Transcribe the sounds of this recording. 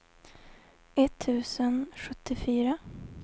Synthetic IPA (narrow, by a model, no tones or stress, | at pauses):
ʔɛt̪ʰːʉ̟ːsənɧɵt̪ʰːɪfyːɾa